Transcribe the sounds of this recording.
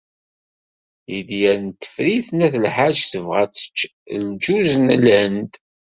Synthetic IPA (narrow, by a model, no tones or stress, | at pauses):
jid̪jæɾnt̪ːə̥fɾiθnæθlħad͡ʒθəvʁæ̰t͡sːə̥t͡ʃːld͡ʒuzənlænd̪